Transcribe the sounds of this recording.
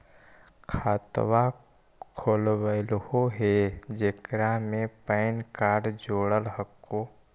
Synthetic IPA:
kʰaːt̪ʋa | kʰoːlwəlhoɦed͡ʒekɾamẽpəɪnkaːɖd͡ʒoːɽəlɦəkːo

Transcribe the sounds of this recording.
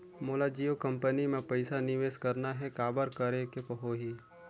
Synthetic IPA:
moːlad͡ʒiːokɐ̃mpənimẽpɐɪsanɪʋeːskɐɾnaɦɛkaːbəɾkəɾekepəɦoɦi

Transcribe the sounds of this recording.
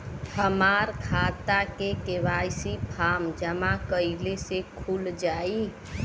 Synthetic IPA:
həmaɾkʰat̪akekeʋajsipʰamd͡ʒəmakəɪlesekʰuld͡ʒai

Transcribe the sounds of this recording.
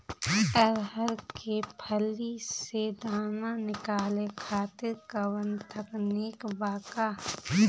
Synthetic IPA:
ɐɾɦəɾkepʰəlised̪aːnanɪkaːlekʰaːt̪ɪɾkɐwə̃nt̪ʰəkniːkbaːkaː

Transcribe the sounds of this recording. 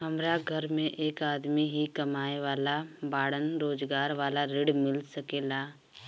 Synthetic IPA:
ɦɐmɾaɡʱəɾmẽʔeːkaːd̪miɦikɐmaːeʋaːlabaːɽənɾoːd͡ʒɡaːɾʋaːlaɾɪɽmɪlsəkeːlaː

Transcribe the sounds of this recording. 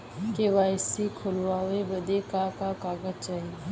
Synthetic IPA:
keʋaːjsikʰʊlʋaːʋebəd̪ekakakaːɡəd͡ʒt͡ʃaːɦi

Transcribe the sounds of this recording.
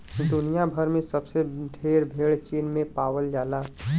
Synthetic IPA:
d̪ʊnijabʱəɾmẽsəbseɖʱeːɾbʱeːɭt͡ʃiːnmẽpaːwəld͡ʒaːlaː

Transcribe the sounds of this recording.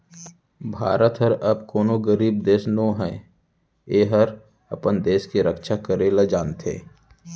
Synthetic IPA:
bʱa̰ːɾət̪ɦəɾəbkoːnoɡəɾiːb̚d̪eːʃnoɦɛː | eːɦəɾ | ɐpənd̪eːʃkeɾəkʃakəɾeːlad͡ʒaːnt̪ʰḛː

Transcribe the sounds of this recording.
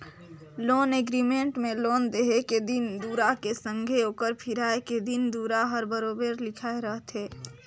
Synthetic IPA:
loːneɡɾimẽɳʈmẽloːnd̪eɦeked̪ɪnd̪uːɾakesə̃ŋɡʱeoːkəɾpʰɪɾaːeked̪ɪnd̪uːɾaɦəɾbəɾoːbəɾlɪkʰaːeɾəɦt̪ɦɛː

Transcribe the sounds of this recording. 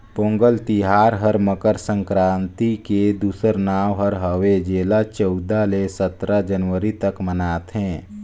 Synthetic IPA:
põːŋɡəlt̪iɦaːɾɦəɾməkəɾsə̃ŋkɾãːnt̪iked̪uːsəɾnaːʋɦəɾɦəʋed͡ʒeːlat͡ʃəʊd̪alesət̪ɾad͡ʒənʋəɾit̪əkmənaːt̪ɦɛ̃ː

